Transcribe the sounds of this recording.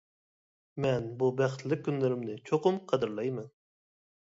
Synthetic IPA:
mɛnbubæχt̪ʰlɪk̚ʲʰːynlɪɾɪmnɪt͡ʃʰoqʊmqʰɑd̪ɨɾlˠɑjmɛn

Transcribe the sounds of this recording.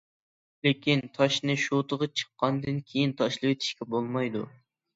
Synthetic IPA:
lekʲint̪ʰɑʃnɨʃot̪ʰəʁɑt͡ʃʰə̥qːɑnd̪ɨnkʲʰejint̪ʰɑʃlˠɨwet̪ʰi̥ʃkʲɛbolˠmɑjd̪u

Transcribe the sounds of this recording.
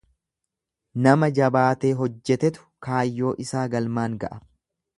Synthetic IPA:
nɐmɐd͡ʒɐbaːt̪e̞ːɦɔd͡ʒːɛt̪ɛt̪ʊ̥kaːjːo̞ːʔɪsaːɡɐlmaːŋɡɐ̰ʔɐ

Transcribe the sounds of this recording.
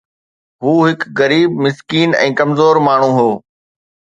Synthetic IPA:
ɦuːɦɪkɣɐɾiːb̚mɪskiːnɛ̰̃ːkɐmzoːɾmaːɳ̤ũːɦoː

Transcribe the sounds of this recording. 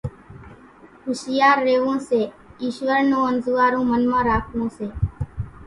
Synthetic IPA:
hʊʃɪjaːɾːeːʋõːseː | iːʃʋəɾnõːənzuːaːɾõːmənmãːɾaːkʰʋõːseː

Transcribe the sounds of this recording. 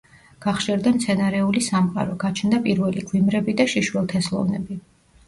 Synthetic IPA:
ɡ̥aχʃɛɾd̪amt̪sʰɛnaɾɛulisamqʼa̰ɾɔɡ̥at͡ʃʰnd̪apʼiɾvɛliɡwimɾɛbid̪aʃiʃwɛlˠt̪ʰɛslˠɔ̰vnɛbi

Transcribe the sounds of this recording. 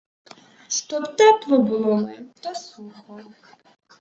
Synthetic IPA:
st̪ɔpt̪at̪vɔbʊlˠɔmɛt̪asuxɔ

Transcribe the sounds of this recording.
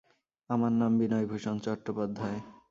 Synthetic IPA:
amaɾnambinɔjbʱuʃont͡ɕɔʈːopad̪ʱːae

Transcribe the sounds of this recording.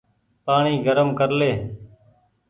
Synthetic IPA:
paːɳiːɡəɾəmkəɾleː

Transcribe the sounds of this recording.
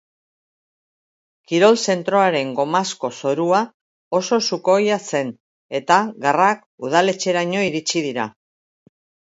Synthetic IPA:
kiɾo̞lse̞nt̪ɾo̞aɾe̞ŋɡo̞masko̞so̞ɾua | o̞so̞suko̞jase̞n | e̞t̪aɣarak | uð̞ale̞t͡ʃe̞ɾaɲo̞iɾit͡ʃiðiɾa̰

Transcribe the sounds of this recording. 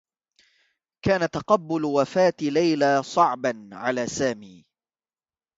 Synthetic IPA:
kaːnat̪ɑqɑbːʊlwafaːt̪lajlaːsˤɑʕbanʕalaːsaːmiː

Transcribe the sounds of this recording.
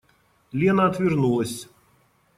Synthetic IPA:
lʲinɐɐt̪vʲɪrnulˠɐsʲ

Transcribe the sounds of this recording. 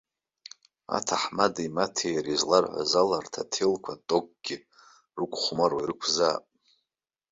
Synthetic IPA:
a̰tʰaħmadajmatʰejɾizlarħʷa̰zalartʰatʰelkʷʰatʼoɡ̚ʼɡ̥ʲɪ | rɨkʷʼχʷmarwairɨkʷʰzaːpʼ

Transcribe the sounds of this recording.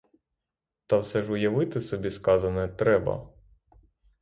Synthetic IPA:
t̪ɑwsɛʒʊjɐʋɪt̪ɪsɔbʲiskɑzɐnɛt̪ɾɛbɐ̰

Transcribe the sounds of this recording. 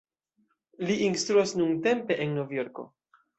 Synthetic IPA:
liʔinst̪ɾuasnuŋte̞mpe̞ʔenːovjo̞ɾko̞̰

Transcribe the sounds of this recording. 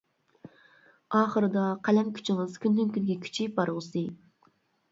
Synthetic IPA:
ɑːχəɾɨd̪ɑqʰælɛmkʲʰy̥t͡ʃʰɪŋɨz̥kʲʰynd̪ynkʲynɡʲɛkʲʰy̥t͡ʃʰibɑɾʁsɨ

